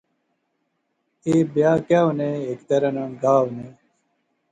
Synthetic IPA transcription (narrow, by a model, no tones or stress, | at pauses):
eːbjaːkaːwneːekt̪ɐɾɐnãɡaːwneː